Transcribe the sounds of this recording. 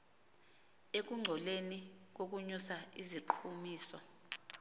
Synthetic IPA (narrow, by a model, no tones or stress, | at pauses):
ek̬uŋ͡ǀʱɔlenik̬ok̬uɲusaiziǃʰumiːsɔ